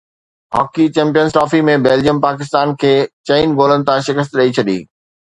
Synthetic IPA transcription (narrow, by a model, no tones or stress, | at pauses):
ɦɔ̰ːkit͡ɕɛ̃ːmpijənsʈɾɔːfimẽbeːld͡ʑijəmpaːkɪst̪aːnkʰeːt͡ɕɐinɡoːlənɪ̆t̪ʰãʃɪkəs̬t̪ɗɐit͡ɕʰɐɗḭː